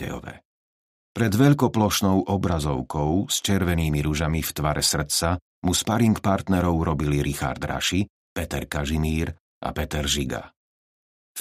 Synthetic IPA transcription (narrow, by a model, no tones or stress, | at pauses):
ɛ̰ɔ̰ʋɛ̰ | pɾɛd̪ʋɛʎkɔplɔʃnɔʊʔɔbɾazɔʊkʰɔʊst͡ʃɛɾʋɛniːmiɾuʒamift̪ʋaɾʔɛsr̩t͡sa | muspaɾiŋkpaɾt̪nɛɾɔʊɾɔbiliɾixa̰ɾd̪ɾa̰ʃi | pɛt̪ɛɾkaʒimiːɾ | ʔa̰pɛt̪ɛɾʒiɡa̰